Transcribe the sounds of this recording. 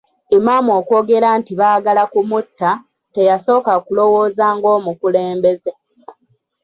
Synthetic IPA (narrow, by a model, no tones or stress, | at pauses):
emaːmoːko̞ːɡe̞ɾaːntiβaːɡalakumutːa | te̞jaso̞ːkakulo̞wo̞ːzaːŋɡo̞ːmukuleːmbe̞ze